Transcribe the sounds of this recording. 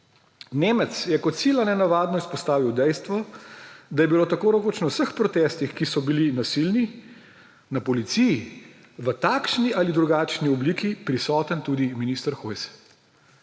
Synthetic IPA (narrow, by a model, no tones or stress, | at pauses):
neːmət̪sjɛkɔt̪siːlanɛnaʋaːd̪nɔispɔst̪aːʋiwd̪ɛjst̪ʋɔ | d̪ajɛbiloːt̪akoːɾɐkoːt͡ʃnɔwsəxpɾɔt̪ɛːst̪ixkisɔbilinasilni | napɔlit̪siji | ʋət̪aːkʃniʔalid̪ɾuɡaːt͡ʃniɔbliːkipɾisɔːt̪ənt̪ud̪iminist̪əɾxojs